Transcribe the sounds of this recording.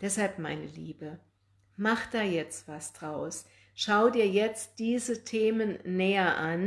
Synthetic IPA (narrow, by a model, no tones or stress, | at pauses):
d̥ɛshalpma̰ɪnəliːbə | maχd̥aːjɛt͡stv̥asd̥ʁaʊs | ʃaʊdiːɐjɛt͡st̚d̥iːzətʰeːmənːɛːɐʔan